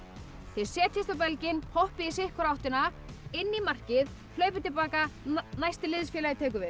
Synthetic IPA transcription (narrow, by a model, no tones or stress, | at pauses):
θɪðsɛːt̪ʰɪst̪awpɛlcɪnhʰohpɪis̬ɪhkʏɾawht̪ɪna | ɪnːimar̥cɪð | hlœːɥpɪt̪ɪlpaːkanajst̪ɪlɪðsfjɛːlajɪt̪ʰɛːk̬ʏvɪð